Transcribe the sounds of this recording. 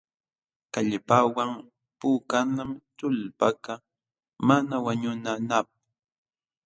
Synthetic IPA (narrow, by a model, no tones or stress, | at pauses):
kaʎpawaŋ | puːkanamt̪ʊlpaka | manawaɲʊnanap̚